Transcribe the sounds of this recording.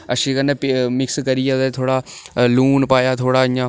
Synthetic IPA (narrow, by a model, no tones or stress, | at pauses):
əʃiːkənːeːpmɪkskəɾijɛːd̪et̪ʰoːɽaːluːnpaːjaːt̪ʰoːɽaːɪjãː